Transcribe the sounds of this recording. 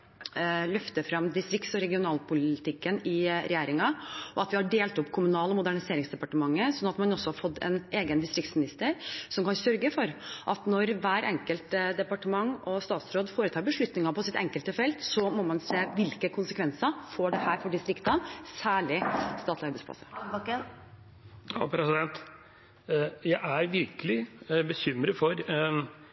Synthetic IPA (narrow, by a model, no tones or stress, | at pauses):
lœft̪əfɾɑmd̪ɪst̪ɾɪkt̪sɔɾɛɡɪʊnɑːlpʰʊlɪt̪ɪkːənɪɾɛ̰jeːɾɪŋɑʔɔɑt̪ʋɪhɑɖeːlt̪ɔpːkʰʊmʉnɑːlɔmʊd̪æɳɪseːɾɪŋsd̪ɛpɑʈəmɑŋːəsɔnːɑt̪mɑnɔsːɔhɑɾfɔd̪ːɛ̰nʔeːɡənd̪ɪst̪ɾɪk̚t̪smɪnɪst̪əɾsɔmkɑnsœɾɡəfɔɾʔɑt̪nɔɾʋæːɾɛŋkəlt̪d̪ɛpɑʈəmɑŋːɔst̪ɑːt̪sɾoːd̪foːɾət̪ʰɑːɾbəʂɭʉt̪nɪŋɑpʰɔsɪt̪ɛŋkəlt̪əfɛlt̪sɔmɔmɑnseːʋɪlkəkʰʊnsəkʰʋɛnsəfoːɖɛhæːɾfɔɖɪst̪ɾɪkt̪ɑnsæːɭɪst̪ɑːt̪lɪɑɾbɛɪsplɑ̰sə | ɑ̰pʰɾɛsɪd̪ɛnt̪ | jæɪʔæɾʋɪɾkəlɪbəɕʏmɾəfɔɾ